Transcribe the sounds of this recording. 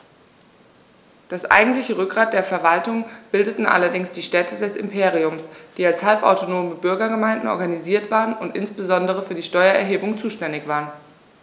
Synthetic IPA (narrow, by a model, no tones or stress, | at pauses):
d̥asʔa̰ɪɡŋ̩tlɪçəʁʏk̚ɡ̥ʁaːt̚d̥eːɐfɛɐvaltʊŋb̥ɪldətn̩ʔa̰lɐdɪŋsd̥iːʃtɛtʰədɛsɪ̰mpʰeːʁ̞iʊmsd̥iːalshalpa̰ʊtonoːməbʏɐɡɐɡəmaɪndn̩ʔɔ̰ɐɡaniziːɐtv̥aːʁənʊntʔɪ̰nsb̥əzɔndəʁ̞əfyːɐdiːʃtɔʏɐɛɐɦeːbʊŋt͡suːʃtɛndɪçv̥aːʁən